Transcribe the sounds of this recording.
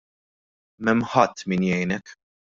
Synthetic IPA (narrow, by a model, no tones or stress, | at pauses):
mɛmːħɐt̪ːminjɛjnɛk